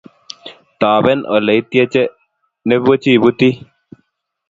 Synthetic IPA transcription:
t̪a˨bɛ˦nʔɔ̰˨lɛ˨i˦t̪jɛ˦t͡ʃɛ˦ | ne˦bo˦t͡ʃi˦˨bu˦t̪i˦

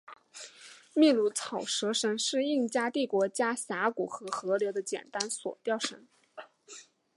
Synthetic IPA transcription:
mi˥˧lu˧˥˩t͡sʰɑ˨˩ʊʂɤ˧˥ʂə˧˥nʂɻ̩˥˧i˥˩ŋt͡ɕja˥t̪i˥˩kwɔ˧˥t͡ɕja˥ɕja˧˥ku˨˩xɤ˧˥xɤ˧˥ljo˧˥ʊd̪ə˧t͡ɕjɛ̰˨˩nt̪a˥nswɔ̰˨˩t̪jɑ˥˩ʊʂə˧˥n

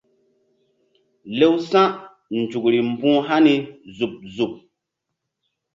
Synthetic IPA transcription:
le˦wsã˦ʔ | n̩˨t͡ʃu˨kɾi˨m̩˦˨bũ˦ɦa˦ni˨zu˨p̚zu˨p̚

